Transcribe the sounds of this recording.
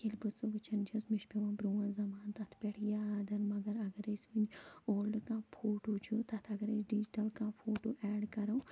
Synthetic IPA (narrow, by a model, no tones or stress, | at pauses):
kelbɨsuɡɨt͡ʃʰɐnd͡ʒɐsmiʃpeʋãːbɾuːɐ̃zɐmaːnt̪ɐt̪ʰpeʈʰjaːd̪ɐnmɐɡɐɾɐɡɐɾesʲmind͡ʒoːlɖkãːpʰoːʈoːt͡ʃʰut̪ɐt̪ʰɐɡɐɾesɖid͡ʒiʈɐlkãːfʰoːʈoːʔɛːɖkɐɾɐw